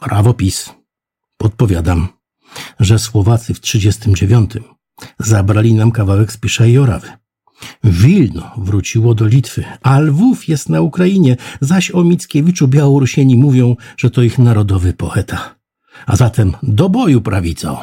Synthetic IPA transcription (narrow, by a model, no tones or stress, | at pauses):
pɾʔavɔpʲis | pɔt̪̚pɔvʲjad̪am | ʐɛswɔvat̪sɘftʂɘd͡ʑɛst̪ɘmd͡ʑevʲjɔnt̪ʰɘm | zabɾalʲinamkavawɛkspʲiʂajiɔɾa̰vɘ | vʲilnɔvɾut͡ɕiwɔd̪ɔlʲit̪fɘ̰alvufjɛst̪naukɾajiɲɛzaɕɔmʲit̪skʲɛvʲit͡ʂubʲjawɔɾuɕeɲimuvʲjɔ̃w̃ʐ̥ɛt̪ɔixnaɾɔd̪ɔvɘpɔɛt̪ʰa | a̰zat̪ɛmd̪ɔbɔjupɾavʲit̪sɔ̰